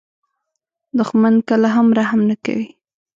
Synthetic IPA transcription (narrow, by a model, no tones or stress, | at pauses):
d̪ʊxmankəlaɦamɾaɦamnaka̰wi